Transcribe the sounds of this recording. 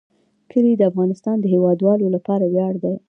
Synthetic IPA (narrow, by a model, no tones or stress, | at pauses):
kʰəlid̪əafɣɑnɪst̪ɑnd̪əɦewɑd̪wɑlolapɑɾawjɑɽd̪a